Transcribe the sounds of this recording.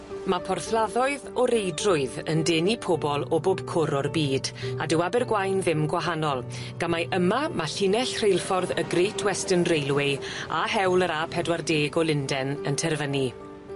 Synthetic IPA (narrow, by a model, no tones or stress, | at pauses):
mapʰɔrθlˠaðɔɨðɔɾejdrʊɨðəndeːnipʰɔbɔlˠɔboːb̥kʰʊɾɔrbiːdadɪwabɛrɡwajnðɪmɡwaɦanɔlˠ | ɡ̥amajʔəmamaɬinɛɬr̥ejlˠfɔrðəɡrejtʰwɛstənrejlˠwɪa̰hɛwlˠəɾapʰɛdwardeːɡɔlˠɪndɛnəntʰɛrvəni